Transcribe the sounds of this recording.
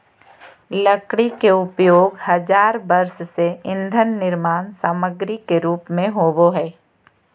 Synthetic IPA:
ləkɽikeʊpjoːɡhɐd͡ʒaːɾbəɾsseɪ̃nd̪ʱənːɪɾmaːnsaːməɡɾikeɾuːpmẽɦoːboɦɛː

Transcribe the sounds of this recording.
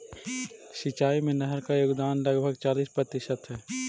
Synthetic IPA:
ʃɪt͡ʃaːimẽnɛɦəɾkajoːɡd̪aːnlɐɡbʱəɡt͡ʃaːliːspɾɐt̪ɪʃət̪ɦɛː

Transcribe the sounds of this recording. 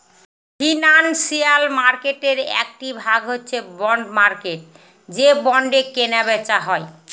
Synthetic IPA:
fʰinansialmaɾkeʈeɾɛ̰k̚ʈibʱaɡɦotːɕʰebɔɳɖmaɾkeʈ̚ | d͡ʑebɔɳɖekenabet͡ɕaɦɔe

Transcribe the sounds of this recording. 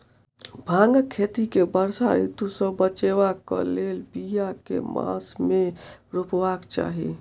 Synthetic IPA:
bʱãŋɡkʰːet̪ikebəɾsaɾḭt̪usə̃bət͡ʃewakə̰lelbijakḛmã̰smeɾupʋakt͡ʃa̰ːɦḭ

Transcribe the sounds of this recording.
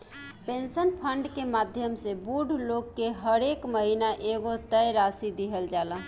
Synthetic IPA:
pensənpʰəɳɖkemad̪ʱjəmsebuɖʱloɡkːeɦəɾekməɦinaʔeɡot̪əjɾasid̪iɦəld͡ʒaləɦ

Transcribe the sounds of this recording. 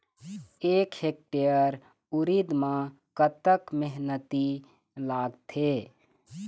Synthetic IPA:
ekhek̚ʈejəɾ | uɾid̪mã | kət̪əkmeɦnət̪i | laɡt̪ʰe

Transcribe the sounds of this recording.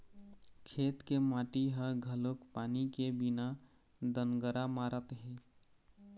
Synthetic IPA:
kʰet̪kemaʈiɦəɡʱəlokpanikebina | d̪ənɡəɾamaɾət̪ɦi

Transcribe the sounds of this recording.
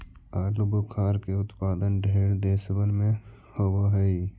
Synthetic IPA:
aːlubʊkʰaːɾkeʊt̪paːd̪ənɖʱeːɽd̪eːsbənmẽ | hoboɦɛi

